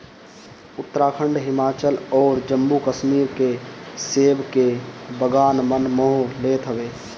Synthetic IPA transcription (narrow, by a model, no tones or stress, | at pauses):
ʊt̪ːəɾaːkʰə̃ɳɖɦɪmaːt͡ʃəlɔːɾd͡ʒəmbukəʃmiːɾkeseːbkebəɡaːnmənmoɦoleːt̪ʰɦəʋeː